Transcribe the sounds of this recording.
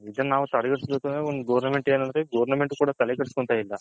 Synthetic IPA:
id̪ɐnnaːʋut̪ɐɽɐɡɐɽsloːt̪uneond̪uɡɐʋɐɾnɐmeɳʈeːnɐnd̪ɾeɡɐʋɐɾnɐmeɳʈukuːɽaːt̪ɐlekɐɽuskoɳt̪aːjilːɐ

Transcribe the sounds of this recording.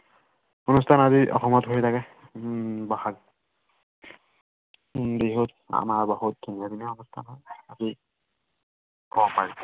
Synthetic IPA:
unustʰanaziʔɔ̰xɔmɔtɦoit̪ʰakɛ | baxal | deɦot | a̰maɹbɔɦut̪̚d̪ʱunijad̪inɛɔnustʰa̰nɦɔjazi | kɔapaɹi

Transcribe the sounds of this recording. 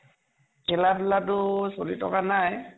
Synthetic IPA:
kʰɛlatulatʊsoɹitɔkanaj

